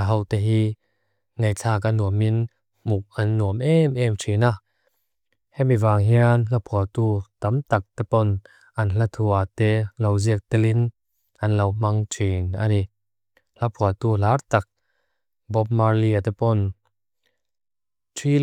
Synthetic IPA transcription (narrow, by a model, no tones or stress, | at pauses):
ɦɔwt̪ɛɦi | ŋejt͡ɬʰaːk̬anuəmin | muk̚anːuəmʔɛmɛmtʰina | hɛmivaːŋɦiənlapʰuɐt̪ut̪ɐmt̪ak̚t̪ɛpɔn | ʔɐnɬat̪ʰuat̪ɛlowziək̚t̪ɛlin | ʔanlowmɐŋtʰina̰ni | lapʰuat̪ulart̪ak̚ | bɔp̚maɹliat̪ɛpɔn | tʰi